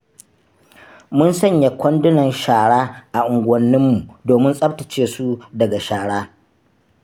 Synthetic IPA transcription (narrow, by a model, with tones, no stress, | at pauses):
mʊ˦nsɐ˦˨ɲja˨kʷɐ˦ndʊ˦nɐ˨nʃaː˨ɽaː˦ʔa˨ʔʊ˨ŋɡʷɐ˦nːɪ˦mːu˨doː˨mɪ˦nsʼɐ˦tɐ˨t͡ʃeː˦su˦dɐ˨ɡa˨ʃaː˨ɽaː˦